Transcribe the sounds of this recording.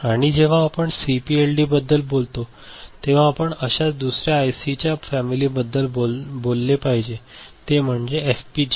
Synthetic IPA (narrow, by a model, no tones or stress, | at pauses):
aɽ̃id͡ʑeʋ̤ãːpəɳsipielɖiːbəd̪ːəlbolt̪o | t̪eʋ̤ãːpəɳəɕat͡sd̪usɾjaːjsit͡ɕjafæmilibəd̪ːəlobolːepaɦid͡ʑet̪em̤əɳd͡zeefpid͡ʑ